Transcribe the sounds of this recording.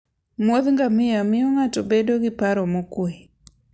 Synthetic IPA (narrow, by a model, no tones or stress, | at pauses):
mwɔðŋɡamɪjamɪɔŋatɔbɛdɔɣipaɾɔmokwɛ